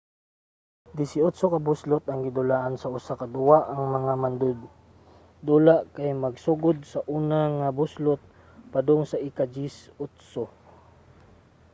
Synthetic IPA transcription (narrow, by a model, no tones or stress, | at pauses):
d̪ɪsɪʊt̪sokɐbʊslʊt̪ɐŋɡɪd̪ʊlaʔansɐʔʊsakɐd̪ʊwaʔɐŋmɐŋamand̪ʊd̪̚ | d̪ulaʔkajmɐɡsuɡʊd̪̚sɐʔuːnaŋabʊslʊt̪̚ | pad̪ʊŋsɐʔɪkad͡ʒisʊt̪so